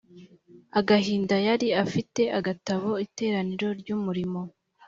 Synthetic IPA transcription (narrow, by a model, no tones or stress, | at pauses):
aɡaɦiːndajaɾiafite̞ʔaɡataβo̞ite̞ːɾaniɾo̞ɾɟuːmuɾimo̞